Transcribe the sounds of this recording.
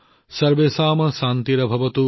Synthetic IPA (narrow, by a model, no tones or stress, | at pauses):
sɐɾʋeːsaːmɐʃaːnt̪iɾɐbʱɐʋɐt̪u